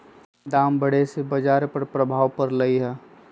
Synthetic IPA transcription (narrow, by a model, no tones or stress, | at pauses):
d̪aːmbəɽ̤esebəd͡ʒaːɾpəɾpɾəbʱaːʋpəɾləiɦɛː